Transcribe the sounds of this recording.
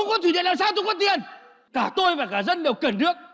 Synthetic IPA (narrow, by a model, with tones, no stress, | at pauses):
ŋ͡mkɔ˨˦t̪wi˧˩ɗḭ˧˨nlaː˨msaː˧˥wt͡ɕ̪ɔ˧˦kɔ˨˦t̪i˨˩ən | kaː˧˩t̪o˧jvaː˨˩kaː˧˩zə˧nɗə˨˩wkə˨˧˩nnɨ˦˥ək̚